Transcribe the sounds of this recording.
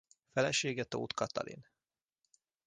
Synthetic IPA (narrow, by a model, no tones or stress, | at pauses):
fɛlɛʃeːɡɛt̪ːo̰ːt̪kʰɑt̪ɑ̰lḭn